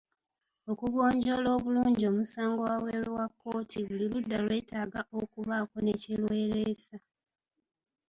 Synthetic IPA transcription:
o̞kuɡo̞ːɲɟo̞lo̞ːβuluːɲɟio̞ːmusaːŋɡo̞waweːɾuwakːo̞ːtʰiβuliludːalwe̞ːtaːɡaʔo̞kuβaːko̞necelwe̞ːɾesa

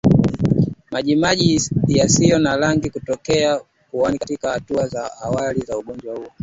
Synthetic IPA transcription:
maʄimaʄijasijɔnalaŋɡikutɔkɛa | kuwaniatikahatuazaʔawalizauɠɔɲd͡ʒwahuɔ

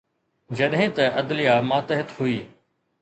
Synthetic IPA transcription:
d͡ʑɐɗɦɪ̃t̪ɐʔɐd̪lɪjamaːt̪ɐɦɪt̪huiː

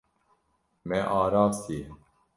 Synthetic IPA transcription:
mɛʔɑːɾɑːft̪ʰie

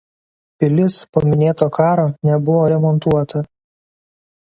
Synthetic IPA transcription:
pʲɪlʲɪspomʲɪnʲeːt̪oːkɑːɾoːnʲɛbʊʋoːɾʲɛmɔnˑt̪uɔt̪ɐ

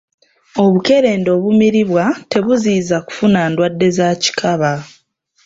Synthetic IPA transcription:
o̞βuke̞ɾe̞ːndo̞ːβumiɾiβwate̞βuziːzaku̥funaːndwadːe̞zaːci̥kʰaβa

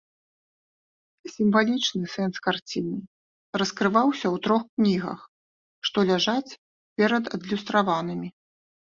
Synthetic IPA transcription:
sʲimvalʲit͡ʂnɨsɛnskart͡sʲini | rɐskɾɨvawsʲɐwt̪ɾɔxknʲiɣɐ̰x | ʂt̪ɔlʲaʐat͡sʲ | pʲɛɾɐd̪ɐ̰d̪lʲust̪ɾavanɨmʲi

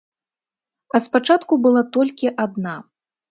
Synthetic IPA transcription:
ɐspat͡ʂat̪kubɨlˠat̪ɔlʲkʲiʔad̪na

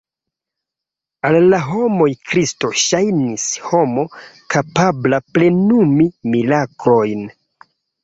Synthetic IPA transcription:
alːaɦo̞mo̞jkɾisto̞ʃajnisho̞mo̞kʰapablaple̞numimilakɾo̞jn

